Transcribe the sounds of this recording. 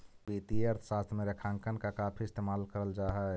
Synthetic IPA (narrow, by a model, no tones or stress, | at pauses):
bit̪iəɾt̪ʰə̥ʃast̪ʰmeɾekʰãŋkənkakapʰiɪst̪emalkəɾəld͡ʒaːɦɛ